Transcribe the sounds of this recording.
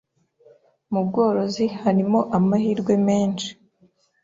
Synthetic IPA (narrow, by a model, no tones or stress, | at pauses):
mubɡo̞ːɾo̞zihaɾimo̞ʔamahiːɾɡwe̞me̞ːnʃi̥